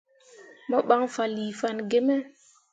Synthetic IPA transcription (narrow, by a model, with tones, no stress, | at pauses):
mɔ˦ɓa˦ŋfa˨li˨fa˨nɡe˦mɛ˦